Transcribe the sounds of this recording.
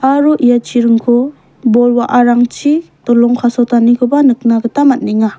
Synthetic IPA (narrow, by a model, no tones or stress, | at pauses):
aɾuʔijat͡ʃʰiɾɯŋkʰɔ | bɔlwaʔaɾaŋt͡ʃʰitɔlɔŋkʰasɔtanikʰɯbanɯk̚naɡɯtamat̚niŋa